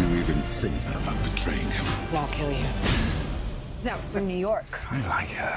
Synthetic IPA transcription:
jəivɨ̃nθɪ̃ŋk̚əbaʊt̪̚ð̥ətʰɹ̥eɪɪ̃ŋwɛlˠkʰɪlˠjɨ | ðɨt̚wʌz̥fə̃nʉjɔɹk | aɪla̰ɪkə

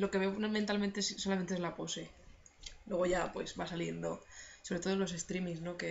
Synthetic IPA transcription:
lo̞ke̞βenment̪alment̪esːo̞lament̪ezlapo̞se̞ | lwe̞ɣ̞o̞ʝapwe̞̰zβasalje̞nd̪o̞so̞βɾet̪olo̞s̬e̞st̪ɾimisno̞ke

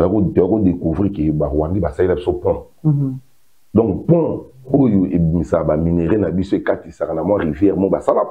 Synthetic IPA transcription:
akotakodekuvʁikebawandibasalilabsopɔ̃ | dɔ̃kpɔ̃ojoebimisakabamineʁenabisoekatisakanamwãʁivjɛmɔbasala

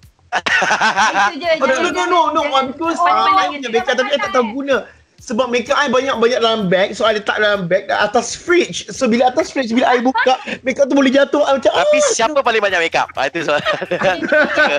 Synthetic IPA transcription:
daʔlokanonoŋabikɔsaaajbaɲaʔbekaʔ̚t̪ap̬iajt̪aʔt̪auɡunã | səbap̚mẽkaʔajbaɲak̚baɲak̚dalambɛk̚soajdət̪a̰ʔ̚dalambɛk̚danat̪asfɾit͡ʃsobilaːt̪asfɾit͡ʃbilaʔajbukaʔmẽkaʔt̪̬ubolɛhd͡ʒat̪ohamat͡ʃãaisiapəpalɪŋbaɲakʔ̚beka̰p̚a̰jt̪us

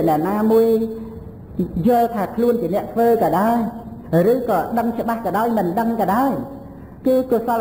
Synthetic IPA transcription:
ənɛ̆əʔnaːmuəj | jʊ̆əlt̪ʰaːkʰluənt͡ɕiənɛ̆əʔt̪ʰʋəːkɑːɗaɔjrɨːkɑːɗəŋt͡ɕə̆ɓahkɑːɗaɔjmɨnɗəŋkɑɗaɔj | kɨːkʊəsɑl

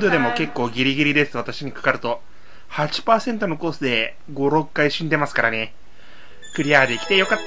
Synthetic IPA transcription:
d̪o̞d̪e̞mo̞ke̞kːo̞ːɡʲiɾʲiɡʲiɾʲid̪e̞sɨβ̞at̪aɕiɲ̟ikḁkaɾɯ̟t̪o̞ | hat͡ɕi̥paːsẽ̞nt̪o̞no̞ko̞ːsɨd̪e̞ | ɡo̞ɾo̞kːaiɕĩnd̪e̞masɨ̥kaɾane̞ | kɯ̟ɾʲiaːd̪e̞ikʲi̥t̪e̞jo̞kat̪ː

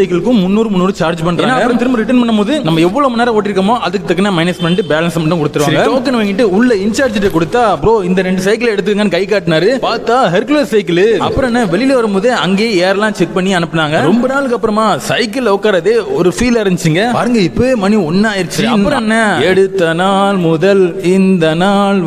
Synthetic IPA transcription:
ɐɪkɐlɯkːɯ̃mʊnːuːɾɯmʊnːuːɾɯt͡ʃaːɾd͡ʒpɐɳːɾaːnːaɐɡɐpːɐɾɐ̃mt̪ɪɾɯmbɐɾɪʈ̬ːɐnpɐɳːɐmoːðɯnɐmːɐɛʋːɔɭoːmɐnːaːlɐoːʈːɪɾɯkːɐmoːʔɐðɯkːɯt̪ɐkːɐnɐmɐɪnɐsmɛɳʈɯbeːlɐnsɐmɐɳʈːɐ̃kɔɽɯt̪ːɯɾʋasɐɾɡɐoːk̬ːɐnːɐʋaːŋɡɪʈːɯʊɭːɐɪnt͡ʃaːɾd͡ʒɪʈːekɔɽɯt̪ːaːɐpːɾoːɪnd̪ɐɾɛɳɖɯsɐɪkɐlɛɽɯt̪̬ːɯkːɯːŋɡɐnːɯkɐɪkːaːʈːnaːɾɯpaːɾt̪ːaːɦɛɾkleːssɐɪkɐlɯɐ̰pːɯɾɔ̃nːɐʋɛɭɪlʋɐɾɯmoːðeɐŋɡeːeːɾɛlãːt͡ʃɛk̚pɐɳːiɐnɯpːɐnaːŋɡɐɾɔmbɐnaːlɯkːɐpːɯɾɐmaːsɐɪkɐlɔkːaːɾɐðeːɔɾɯfiːlɐɾɯɲd͡ʒɪt͡ʃːɯŋɡɐpaːɾɯŋɡɐɪpːomɐniɔnːaːjɪɾt͡ʃːsɐɯɾɐpɯɾɔ̃ɛnːɐɛɽɯt̪ːɐnaːlmʊðɐlɪnd̪ɐnaːl

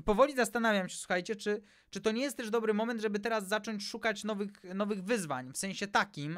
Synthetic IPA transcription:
pɔvɔlʲizast̪anavʲjamɕɛswu̥xajt͡ɕɛt͡ʂɘ | t͡ʂɘt̪ɔɲɛjɛst̪t̪ɛʐd̪ɔbɾɘmɔmɛnt̪ʐɛbɘt̪ɛɾazːat͡ʂɔɲt͡ɕʂukat͡ɕnɔvɘxnɔvɘɣvɘzva̰ɲfsɛ̃ɕɛt̪akʲim

